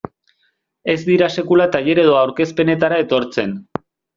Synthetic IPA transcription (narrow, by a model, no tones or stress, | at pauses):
e̞zd̪iɾase̞kulat̪aʎe̞ɾe̞ðo̞awɾke̞spe̞ne̞t̪aɾae̞t̪o̞ɾt͡se̞n